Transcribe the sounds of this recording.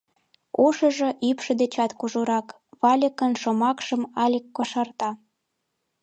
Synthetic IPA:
oʃə̆ʒĕʔypʃɤ̆d̪et͡ɕɑt̪kuʒoɾɑk | βɑlʲəkənʃomɑkʃə̆mɑlʲəkːoʃɑrt̪ɑ

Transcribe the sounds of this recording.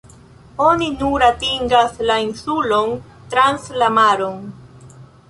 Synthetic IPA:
o̞ninuɾatiŋɡaslainsulo̞n | tɾanslamaɾon

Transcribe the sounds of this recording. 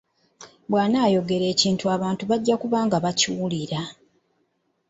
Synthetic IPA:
bwaːnaːjo̞ɡe̞ɾe̞ːciːntuaβaːntuβaɟːakuβaːŋɡaβacuwuliɾa

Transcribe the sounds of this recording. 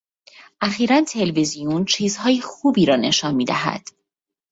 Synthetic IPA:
ʔæxiːɾænt̪ʰe̞lvizijunt͡ʃʰiːzhɒːjixuːbiːɾɒːne̞ʃɒːnmiːd̪æɦæ̰d̪̥

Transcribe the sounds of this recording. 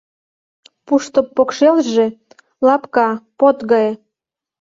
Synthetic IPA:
puʃt̪opːokʃelʒe | lɑpkɑpot̪ɣɑj

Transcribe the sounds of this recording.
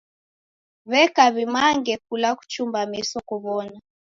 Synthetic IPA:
βɛkaβimaŋɡɛk̚ulaku̥t͡ʃumbamisɔkuβɔna

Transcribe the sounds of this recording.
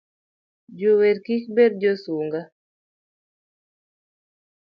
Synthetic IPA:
d͡ʒowerkik̚bɛrd͡ʒosuŋɡa

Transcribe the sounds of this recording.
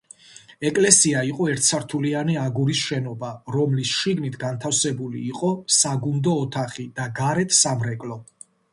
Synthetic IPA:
ɛkʼlɛsiaiqʼɔɛɾt̪̚ʰsaɾt̪ʰulianiaɡuɾisʃɛnɔbaɾɔmlisʃiɡnit̪ʰɡant̪ʰafsɛbulḭːqʼɔsaɡund̪ɔːt̪ʰaχid̪aɡaɾɛt̪ʰsamɾɛkʼlɔ

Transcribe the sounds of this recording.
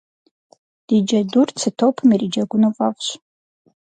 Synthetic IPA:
d̥id͡ʒadurt͡sʰɨtʰopʰmirid͡ʒaɡʷunavʼavɕʷ

